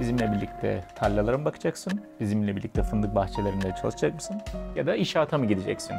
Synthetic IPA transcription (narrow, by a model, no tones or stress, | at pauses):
bizimlʲɛbiɾlʲic̚t̪ʰɛ̰t̪ʰalʲːalˠaɾɯmɯbakʰɯ̥d͡ʒaksɯnbizimlʲɛbiɾlʲict̪ʰɛfɯnd̪ɯk̚baxt͡ʃʰelʲeɾimid̪ɛt͡ʃʰalˠɯʃd͡ʒak̚mɯsɯnjad̪aiʃaːt̪ʰamɯɟid̪ed͡ʒɛ̰csin